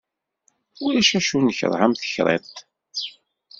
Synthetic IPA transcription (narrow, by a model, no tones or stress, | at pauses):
ʊɾæʃæʃunəçə̰ɾˤhamθə̥çɾˤḛɾt̪